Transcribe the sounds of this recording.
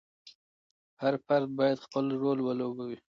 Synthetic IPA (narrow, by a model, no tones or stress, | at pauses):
haɾfaɾd̪̚bɑjad̪xpəlɾolwəlobawi